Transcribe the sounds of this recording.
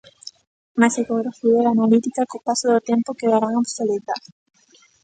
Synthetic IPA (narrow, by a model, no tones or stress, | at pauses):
masekoɣɾafielanalit̪ikakopasoðot̪ẽmpokeðaɾaŋabseleβɾaɾ